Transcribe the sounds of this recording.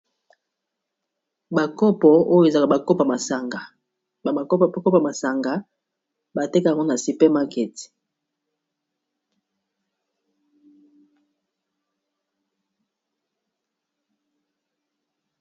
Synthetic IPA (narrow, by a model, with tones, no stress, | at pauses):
ba˨ko˦pɔ˨o˦jo˦e˨za˨ka˨ba˨ko˦pa˨ma˨sa˨ŋɡa˨˦˨ | ko˦pa˨ma˨sa˨ŋɡa˨ | ba˨te˦kja˨ŋɡo˦na˨si˨pe˦ma˦ke˨ti̥˨